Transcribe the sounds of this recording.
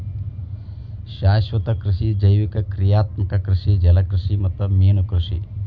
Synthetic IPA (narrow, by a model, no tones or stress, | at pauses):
ʃaːʃʋɐt̪ɐkɾɪʃid͡ʒɐjʋikɐkɾijaːt̪mɐkɐkɾɪʃid͡ʒɐlɐkɾɪʃimɐt̪ɐmeːnukɾɪʃḭ